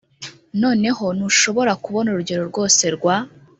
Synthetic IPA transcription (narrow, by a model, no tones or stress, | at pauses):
no̞ːne̞ɦo̞nuʃo̞βo̞ɾakuβo̞nuɾuɟe̞ɾo̞ɾɡo̞ːse̞ɾɡwa